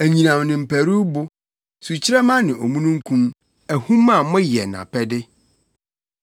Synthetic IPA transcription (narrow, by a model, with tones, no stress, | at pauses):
æ˨ɲĩ˨nã˨mnɪ̃˨m̩˨pʰæ˨ɾu˦bʊ˦ | su˨t͡ɕʰɪ˦ɾɛ˦mã˦nɪ̃˨o˨mũ˦nũ˦ŋ̩˦kʰũ˦m | æ˨hũ˦ma˨mʊ̃˦jɛ˨nã̰˨pʰɛ˦dɪ˦